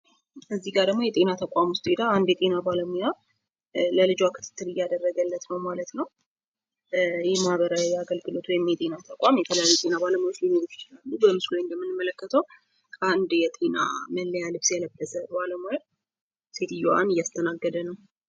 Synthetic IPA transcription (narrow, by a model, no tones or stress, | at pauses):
kʰəzːiɡaɾd̪əɡmo̞jɛt̪ʼe̞nat̪ʰəkʷʼamwʊst̪ʼed̪aand̪jɛt̪ʼe̞nabaləmuja | ləlɨd͡ʒwakʰɨt̪ʰɨ̥t̪ʰːɨɾɨjːad̪ərːəɡəlːət̪nəwmalət̪nəw | jɛmahβəɾawiaɡəlɡɨlo̞t̪wɔjmjɛt̪ʼe̞nat̪ʰəkʷʼamjɛt̪ʰələjajːut̪ʼe̞nabaləmojot͡ʃlinoɾot͡ʃt͡ʃɪlalːubəmɨsləɲjɛmːɨnɨmːələkːət̪ʰəw | kʰəand̪jɛt̪ʼe̞na̰məlːəjalɨβsjɛləbːəzəbaləmoja | se̞t̪ɨjoa̰nɨjːast̪ʰənaɡːəd̪ənəw